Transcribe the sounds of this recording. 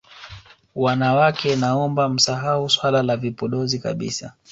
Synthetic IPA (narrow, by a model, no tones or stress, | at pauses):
wanawakɛnaɔmbam̩saɦauswalalavipɔɗɔzika̰ɓḭsa̰